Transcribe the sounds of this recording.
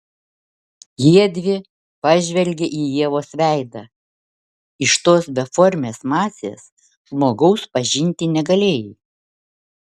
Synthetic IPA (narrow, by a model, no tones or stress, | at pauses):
jiɛd̪ʲʋʲɪ | pɑʒʲʋʲɛlʲɡʲeʔiːjiɛʋoːsʲʋʲæˑɪd̪ɑː | ɪʃt̪oːsbʲɛfɔɾʲmʲeːsmɑːsʲḛːs | ʒmoːɡɐʊspɐʒʲɪnʲt̪ʲɪnʲɛɡɐlʲeːjiː